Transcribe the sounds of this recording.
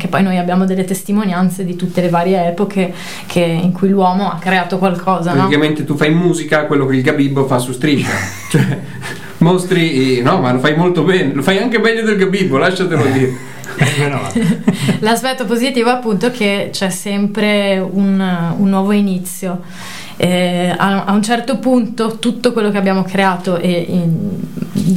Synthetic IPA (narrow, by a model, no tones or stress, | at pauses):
kepːɔjnojabːjaːmod̪elːet̪est̪imonjant̪sed̪it̪ut̪ːelevaːɾjeɛːpokʰe | kʰeḭŋkʰujlwɔːmoakːɾeaːt̪okwalkʰɔːzapɾatɔikament̪et̪ufajimmuːzikakwelːokeilɡabibːofasust̪ɾid͡ʒa̰ | t͡ʃoɛ | most̪ɾinɔmalofajmolt̪obɛːnelofajaŋkebɛʎːod̪elɡabibːolaʃːat̪elod̪iːɾe | laspɛt̪ːopozit̪iːvoapːunt̪oɛk̟et͡ʃɛsːɛmpɾeununːwɔːvoinit̪sːjo | ɛa̰a̰unt͡ʃɛrt̪opunt̪ot̪ut̪ːokwelːok̟eabːjaːmokɾeaːt̪oʔe